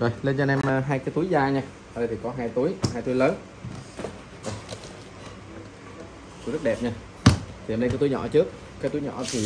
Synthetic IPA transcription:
zo˨˩jle˧nzaː˧nɛ˧mː˧ɦaː˧jkaː˨˦jt̪u˨˦jzaː˧ɲaː˧ | a˧˨ə˧jt̪ʰi˨˩kɔ˨˦ɦaː˧jt̪u˨˦jɦaː˧jt̪u˨˦jləː˨˦n | zo˨˩j | u˧˦jzə˦˥t̚ɗɛ˨˩p̚ɲaː˧ | t̪ʰi˨˩˨ne˧kaː˨˦t̪u˨˦jɲɔ̰˧˩t͡ɕɨ˦˥ək̚ | kaː˦˥t̪u˨˦jɲɔ̰˧˨t̪ʰi˨˩

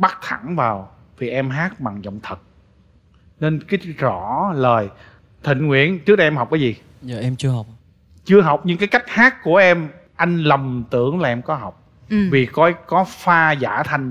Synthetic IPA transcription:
ɓa˦˥k̚t̪ʰa˧˩ŋvaː˨˩w | vʰi˨˩ʔɛ˧mɦaː˦˥k̚ɓa̰˨ŋzə̰˧˨wŋ͡mt̪ʰə˨˩t̚ | ne˧nki˦˥k̚zɔ˧˩˦ləː˨˩j | t̪ʰï˧˨ŋ̟ŋwḭ˧˩ənt͡ɕɨ˦˥k̚ɗɛ˧mɦa˨˩wk͡p̚kaː˨˦jzi˨˩ | zəː˨˩ʔɛ˧mt͡ɕɨ˧əɦa˨˩wk͡p̚ | t͡ɕɨ˧əɦa˨˩wk͡p̚ɲɨ˧ŋkaː˨˦jka˦˥jk̚haː˦˥kku˧˩əʔɛ˧m | ʔa˧jŋ̟lə˨˩mt̪ɨ̰˧˩əŋlaː˨ʔɛ˧mkɔ˨˦ɦa˨˩wk͡p̚ | vi˨˩kɔ˨˦kɔ˨˦faː˧za̰ː˧˩˦t̪ʰa˧jŋ̟

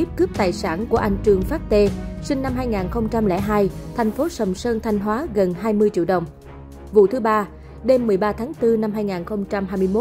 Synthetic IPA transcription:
i˦˥p̚kɨ˦˥p̚t̪a̰ː˨˩jsaː˧˩nku˧˩əʔa˧jŋ̟t͡ɕɨ˨˩əŋfaː˦˥t̚t̪e˧sï˧ŋna˧mɦaː˧jŋaː˨˩nxə˧wŋ͡mt͡ɕa˧mlɛ̰˧˥ɦaː˧jt̪ʰɛ˨˩jŋ̟fo˨˦sə˨˩wŋ͡msəː˧nt̪ʰa˧jŋ̟ɦwaː˨˦ɣə˨˩nɦaː˧jmɨ˧əjt͡ɕi˧˨ɗə˨˩wŋ͡m | vṵ˧˨t̪ʰɨ˨˦ɓaː˧ | ɗe˧mːɨ˨˩əjɓaː˧t̪ʰaː˨˦ŋt̪ɨ˧na˧mɦaː˧jŋaː˨˩nxə˧wŋ͡mt͡ɕa˧mhaː˧jmɨ˧jmo˦˥

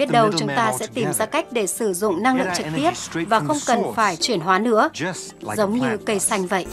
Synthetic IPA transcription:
i˦˥t̚ɗə˧wt͡ɕʊ˨˦ŋ͡mt̪aː˧sɛ̰˧˥t̪i˨˩mzaː˧ka˦˥jk̟̚ɗe˧˩sɨ˧˩zʊ̰˧˨ŋ͡mna˧ŋlɨ̰˧˨əŋt͡ɕɨ˨˩k̚t̪i˦˥əp̚vaː˨˩xə˧wŋ͡mkə˨˩nfaː˧˩jt͡ɕwi˧˩ənɦwaː˨˦nɨ̰˧˥ə | zə˨˦wŋ͡mɲɨ˧kə˧jsa˧jŋ̟və̰˧˨jʔ

